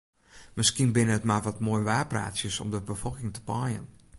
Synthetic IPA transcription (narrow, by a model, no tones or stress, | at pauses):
mɪskinbɪnəətmaʋɔtmoːjʋaːpra̰ːtsjəsɔ̰mdəbəfɔlˠkɪŋtə̥pɔjə̰n